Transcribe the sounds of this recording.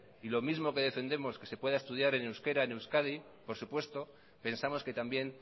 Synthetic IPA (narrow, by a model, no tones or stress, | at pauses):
ilo̞mizmo̞ke̞ðe̞fe̞nd̪e̞mo̞ske̞se̞pwe̞ð̞aest̪uð̞jaɾenewske̞ɾaenewskaði | po̞ɾsupwe̞st̪o̞ | pe̞nsamo̞ske̞t̪ambje̞n